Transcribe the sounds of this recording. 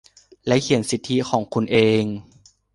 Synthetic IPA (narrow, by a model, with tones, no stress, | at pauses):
lɛ˦˥kʰi˨˩ə˦nsi˨˩t̪ʰːi˦˥kʰɔː˩˦ŋkʰu˧nʔeː˧ŋ